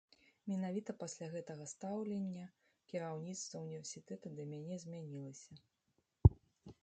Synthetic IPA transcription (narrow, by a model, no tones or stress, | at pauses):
mʲɛnavʲit̪ɐpasʲlʲaɣɛt̪ɐɣɐst̪awlʲenʲːɐ | kʲiɾawnʲit̪st̪vɐunʲivʲɛrsʲit̪ɛt̪ud̪ɐmʲanʲɛzʲmʲanʲilˠɐsʲɐ